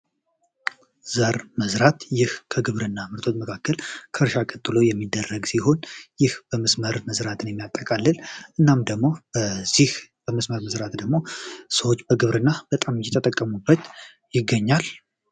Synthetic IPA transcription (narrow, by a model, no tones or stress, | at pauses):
z̥əɾməzɾat̪jɪhkʰəɡɨβɾɨnːamɨɾt̪ʰo̞t̪məkʰakːəlkʰəɨɾʃakʼət̪ʼːɨlo̞jɛmːid̪ːərːəɡsiho̞njɪhb̥əməsməɾməzɾat̪ʰɨnjɛmːijat̪ʼːəkʼalːɨlʔɨnːamd̪əɡmo̞b̥əz̥ihb̥əməsməɾməzɾat̪d̪əɡmo̞səwo̞t͡ʃːbəɡɨβɾɨnːab̥ət̪ʼamjɛt̪ʰʼːət̪ʼəkʼːəmubːət̪ | jɪɡːəɲːal